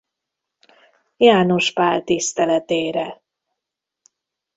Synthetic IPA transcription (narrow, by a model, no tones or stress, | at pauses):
jaːno̞ʃpaːlt̪ist̪ɛlɛt̪eːɾɛ